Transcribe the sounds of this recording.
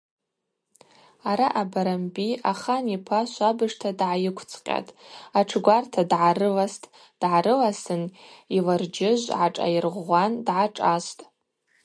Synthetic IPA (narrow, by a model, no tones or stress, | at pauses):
aɾaʔabaɾambiʔaχanipʰaʃʷabɨʂtʰadʕajɪkʷʰt͡sʰʼqʲʼa̰tʼaʈ͡ʂʰɡʷartʰadʕaɾɨlastʼ | d̥ʕaɾɨlasɨnilard͡ʒɪʒʷʕaʈ͡ʂʼa̰jɪrʁʷandʕaʈ͡ʂʼastʼ